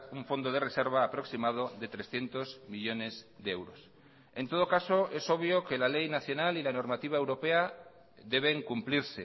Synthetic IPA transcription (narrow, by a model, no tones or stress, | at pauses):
uɱfo̞nd̪oð̞erese̞ɾβ̞aːpɾo̞ksimað̞oðe̞t̪ɾe̞sθje̞nt̪o̞zmiʎo̞ne̞zðeewɾos | e̞nt̪o̞ð̞okaso̞e̞so̞β̞joke̞lalejnaθjo̞nalilano̞ɾmat̪iβ̞aewɾo̞pe̞a | ðe̞βe̞ŋkumpliɾse